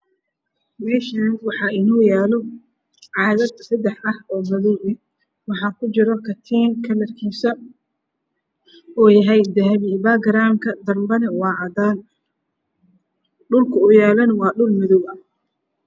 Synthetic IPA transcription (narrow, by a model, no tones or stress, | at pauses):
mɛːʃaːnwɑħɑːʔɪnuːjaːlɔ | ʕɑːðɐd̪sɐd̪ɛħɐhɔːmɐðuːʕɪ | wɑħɑːkʰʊt͡ʃɪɾɔkʰɐt̪ʰɛːnkʰɐlɐrkʰiːsɐ | uːjɐɦɛjd̪ɐɦɐβibaɡɾaːmkʰɐd̪ɐrmbɐnɛwɑːʕɑd̪aːn | ɖʊlkʰʊʊjaːlɐnwɑːɖʊlmɪðʊwɐh